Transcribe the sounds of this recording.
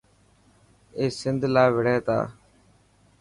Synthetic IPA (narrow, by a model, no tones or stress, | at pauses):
eːsɪnd̪ʱlaːʋɪɽ̤eːt̪a̰ː